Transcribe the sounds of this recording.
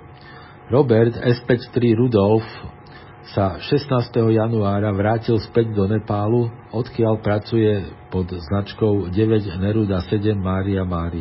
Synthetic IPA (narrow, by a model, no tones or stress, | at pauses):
ɾɔbɛɾt̪ɛspɛct̪ɾiɾud̪ɔlf | saʃɛst̪naːst̪ɛɦɔjanuaːɾaʋɾaːcilspɛɟd̪ɔnɛpaːluɔt̪kɪaʎpɾat͡sujɛpɔd̪znat͡ʃkɔʊɟɛʋɛɟnɛɾud̪asɛɟɛmːaːɾiamaːɾi